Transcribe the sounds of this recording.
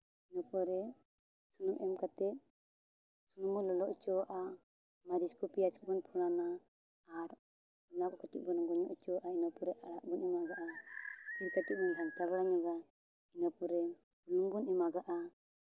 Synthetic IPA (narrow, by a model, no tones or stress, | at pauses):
inɔpɔɾɛ | sunɔmʔɛmkat̪ɛt̪̚ | sunɔmɔlɔlɔʔt͡ʃɔwaʔa | maɾiskɔpijat͡ʃi̥k̚bɔnpʰunanaː | ɾ | unakɔkaʈḭʔ̚bɔnɡɔɲɔʔt͡ʃɔwaʔainapɔɾɛʔaɽaʔbɔnimaɡaʔa | iɾkaʈit̪̚bɔnd̪ʱaŋt̪abaɽaɲaɡa | inapɔɾɛ | bulɔŋɡɔnimaɡaʔa